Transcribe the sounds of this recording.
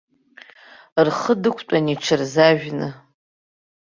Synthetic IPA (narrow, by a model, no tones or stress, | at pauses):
rχədɨkʷʰt͡pʷʼaniʈ͡ʂʰɨrzaʒᶣnɨ